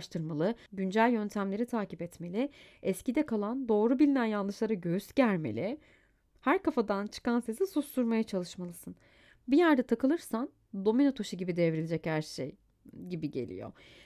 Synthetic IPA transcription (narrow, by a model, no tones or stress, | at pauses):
ʃt̪ʰɯɾmalˠɯɟynd͡ʒælʲjønt̪ʰæmlʲe̞ɾit̪ʰaːcipɛt̪me̞lʲiɛscid̪ɛkʰalˠand̪o̞ːɾubilʲinænjanˠd̪ɯʃlˠaɾaɟøyzɟæɾʲmḛlʲɪ | hæɾkafad̪ant͡ʃʰɯ̥kansezisust̪uɾmajat͡ʃʰalˠɯʃmalˠɯsɯn | bijæɾd̪ɛt̪ʰakɯlˠɯɾsan | d̪o̞minot̪ʰo̞ʃɯɟibid̪ɛvɾilʲd͡ʒɛchæɾʃḛj | ɟibiɟe̞̰lʲḭjo̰